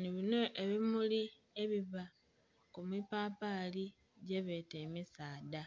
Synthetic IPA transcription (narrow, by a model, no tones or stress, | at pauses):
niβino̞ʔeβimuli | e̞βiβa | kumipaːpali | ɟe̞βe̞te̞ːmisaːda